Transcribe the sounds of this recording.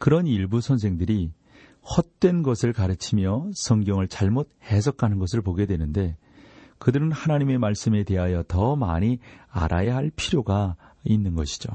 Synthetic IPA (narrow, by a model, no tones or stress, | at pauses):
kɯɾʌniɭbusʰʌns̬ʰe̞ŋdɯɾi | ɸwʌt̚t͈we̞nɡʌsʰɯɭkaɾɯt͡ɕʰimjʌsʰʌŋɡjʌŋɯɭt͡ɕaɭmot̚he̞s̬ʰʌkʰanɯnɡʌs̬ʰɯɭpoɡe̞dwe̞nɯnde̞ | kɯdɯɾɯnhanaɲime̞maɭs͈ɯme̞te̞ɦajʌtʌmaɲia̰ɾʔa̰jaɦaɭpʰiɾjoɡainːɯnɡʌɕʰi̥d͡ʑo̰